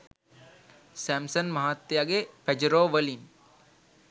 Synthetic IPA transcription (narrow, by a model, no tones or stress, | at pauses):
sɛmsənmɐɦat̪ːjaɡeped͡ʒəɾoːʋəlin